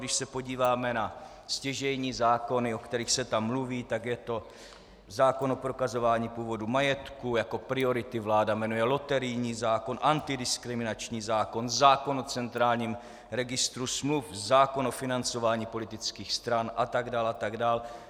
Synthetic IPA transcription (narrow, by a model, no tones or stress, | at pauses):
dɪʃsɛpo̞ɟiːvaːmɛna | scɛʒɛjɲiːzaːko̞nɪo̞kt̪ɛɾiːxsɛt̪amːluviːt̪aɡjɛt̪o̞ | zaːko̞nopɾo̞kazo̞vaːɲiːpuːvo̞dumajɛt̪kujako̞pɾɪo̞ɾɪt̪ɪvlaːdamɛnujɛlo̞t̪ɛɾɪjɲiːzaːko̞nʔant̪ɪdɪskɾɪmɪnat͡ʃɲiːzaːko̞nzaːko̞not͡sɛnt̪ɾaːlɲiːm | ɾɛɡɪst̪ɾusmlufzaːko̞nofɪnant͡so̞vaːɲiːpo̞lɪt̪ɪt͡skiːxst̪ɾanʔat̪aɡdaːlat̪aɡdaːl